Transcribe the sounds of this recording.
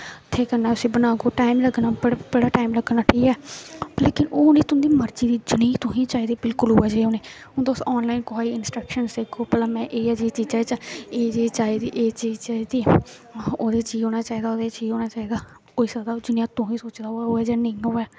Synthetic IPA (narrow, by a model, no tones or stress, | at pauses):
t̪ʰːeːkəɾnaːʊsĩːbənaːɡoːʈaːimləɡnaːbɽbəɽaːʈaːimləɡnaːʈʰiːkɛːleːkɪnoːnẽːt̪ʊ̃nd̪iːməɾd͡ʒiːd̪iːd͡ʒɪniːt̪ʊɦĩːt͡ʃaːiːd̪eːbɪlkʊlɦoːaːd͡ʒeːoːneː | ɦʊ̃nt̪aʊsɔːnlaːɪnkʊɦaːiːɪnsʈɾəkʃənseːkʰoːpət̪ləmɛ̃ːʔeːjaːd͡ʒeːt͡ʃiːd͡ʒaːt͡ʃaeːd͡ʒeːt͡ʃaːid̪iːʔeːt͡ʃiːzt͡ʃaːd̪iː | oːd̪eːt͡ʃiːzɦoːnaːt͡ʃaːiːd̪aːoːd̪eːt͡ʃiːzoːnaːt͡ʃaːiːd̪aː | oːiːsaːd̪aːd͡ʒɪnijãːt̪ʊɦĩːsoːt͡ʃd̪aːoːoːɛːd͡ʒaːnəĩːɦoːɛː